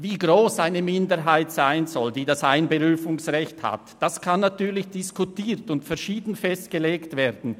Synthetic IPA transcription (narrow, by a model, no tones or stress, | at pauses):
viːɡʁoːsʔaɪnəmɪndəɦaɪtsaɪnzɔldiːdasʔaɪnbəʁyːfʊŋsʁɛçtha̰td̥askʰanːatyːɐlɪçd̥ɪskutiːʁtʊntfɛɐʃiːdn̩fɛst̚ɡ̥əleːktv̥eːdn̩